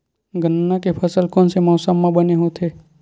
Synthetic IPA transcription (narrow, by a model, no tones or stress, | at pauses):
ɡʱənːakepʰəsəlkɔ̃ːnsemɔːsəmːãbəneɦot̪ʰeː